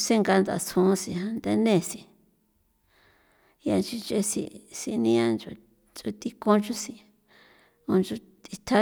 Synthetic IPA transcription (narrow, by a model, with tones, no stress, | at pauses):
se˦ŋɡa˧nd̪a̰˨sʰũ˧˦si˧ã˧nd̪e˧nẽ˦˧˨si˧ | ja˧nt͡ʃi˧nt͡ʃe˧sḭ˧si˧nĩ˦ã˦nd͡ʒu˧ | t͡ʃu˧t̪i˧kõ˧nt͡ʃu˦si˧ | õ˧nt͡ʃu˧ | t̪i˧t̪ʰa˦